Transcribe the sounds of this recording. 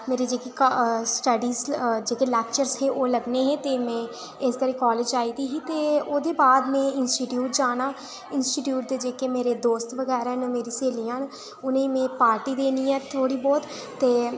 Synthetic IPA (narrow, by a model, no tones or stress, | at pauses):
meːɾiːd͡ʒeːkeksʈəɖiːzd͡ʒeːkelɛːk̚t͡ʃəɾzɦẽːʔoːləɡneːɦɛ̃ːt̪eːmɛ̃ː | ɪsɡəɾeːkɔːleːd͡ʒaːiːd̪iːɦiːt̪eːoːd̪eːbaːd̪mɛ̃ːɪnsʈiːʈjuːʈ̚d͡ʒaːnaː | ɪnsʈiːʈjuːʈ̚d̪eːd͡ʒeːkeːmeːɾeːd̪oːst̪ʋəɡɛːɾaːɦnoːmeːɾiːseːliːaːn | ʊnẽiːmɛ̃ːpaːɾʈiːd̪eːniːɛːt̪ʰoːɽiːbɔːt̪ | t̪ːeː